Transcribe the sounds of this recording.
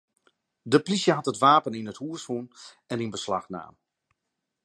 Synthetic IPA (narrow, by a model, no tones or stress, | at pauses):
dəplisjəɦatətʋaːpəninəthuəshun | ɛninbəsla̰xna̰ːm